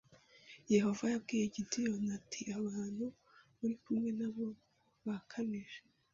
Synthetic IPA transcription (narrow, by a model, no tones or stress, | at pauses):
je̞ho̞vajabɡiːje̞ɟitijo̞natʰiʔaβaːn̥hu | βuɾikumŋe̞naβo̞ | βakʰamiʒe